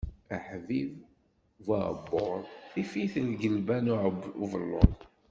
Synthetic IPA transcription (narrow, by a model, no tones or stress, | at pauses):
æħviv | va̰ʕbːoɾˤθifiθəlɡəlbænʊʕuvəlːʊ̰ðˤ